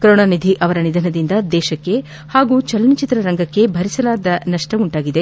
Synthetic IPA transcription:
kɾoːɳɐnid̪ʱiʔɐʋɐɾɐnid̪ʱɐnɐd̪ind̪ɐd̪ɛːʃɐkːe̞ | haːɡuːt͡ʃɐlɐnit͡ʃit̪ɾɐɾɐŋɡɐkːe̞bʱɐɾisɐlaːd̪ɐnɐʂʈɐuɳʈaːɡid̪e

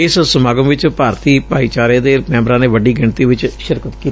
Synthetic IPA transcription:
ɪssəmaːɡəmʋɪt͡ʃpaːɾt̪iːpaːiːt͡ʃaːɾẽːd̪eːmɛ̃ːmɾãːneːʋəɖiːɡɪɳt̪iːʋɪt͡ʃʃɪɾkət̪kiːt̪

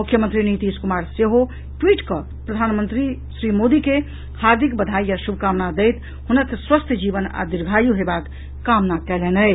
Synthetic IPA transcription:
mukʰːjəmənt̪ɾinit̪iskumaɾseɦo | ʈwiʈkə | pɾəd̪ʱanmənt̪ɾisɾimod̪ike | haɾd̪ʱikbəd̪ʱajjasubʱkamnad̪ɛjt̪ | ɦunək̪swəst̪ʰjəd͡ʒiʋəna̰d̪iɾɡʱajuɦebakː | amnakɛlɛnəj

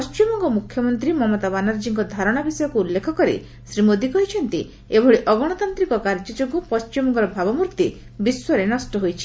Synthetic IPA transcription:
pɔst͡ʃimɔŋɡɔmukʰjɔmɔnt̪ɾimɔmɔt̪abanaɾd͡ʒiŋkɔd̪ʱaɾɔɽ̃abisɔjɔkuulːekʰɔkɔɾḭ | sɾimod̪ikɔɦit͡ʃʰɔnt̪ḭ | ebʱɔɭiʔɔɡɔɽ̃ɔt̪ant̪ɾikɔkaɾd͡ʒɔd͡ʒoɡupɔst͡ʃimɔŋɡɔɾɔbʱabɔmuɾt̪i | biswɔɾenɔsʈɔɦojt͡ʃʰi̥

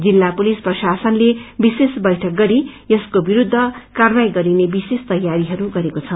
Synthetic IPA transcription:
d͡zilːapulisprʌsasʌnlebisesbʌjʈʰʌk̚ɡʌɾijʌskobiɾud̪ʱːʌkarbajɡʌɾinebisest̪ʌjaɾiɦʌɾuɡʌɾekot͡sʰʌ

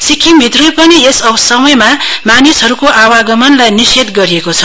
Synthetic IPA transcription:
sikʰimbʱit̪rʌjpʌniesʌbsʌmʌjmamanisɦʌɾukoʔawaɡʌmʌnlajniset̪ɡʌɾiekot͡sʰʌ

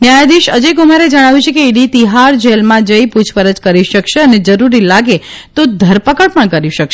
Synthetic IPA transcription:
njajd̪iʃəd͡ʒeɡumaɾed͡ʒəɽ̃aʋit͡ʃʰekeiɖit̪iɦaɾd͡ʒelmãd͡ʒəiput͡ʃʰpəɾəd͡ʒkəɾiʃəkʃeəned͡ʒəɾuɾilaɡet̪od̪ʱəɾpəkəɽpəɳkəɾiʃəkʃe

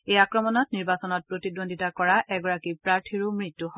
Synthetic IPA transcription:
ejakɹɔmɔnɔtniɹbasɔnɔt̚pɹotidondʱitakɔɹaʔɛɡɔɹakipɹaɹtʰiɹumɹitːuɦɔ

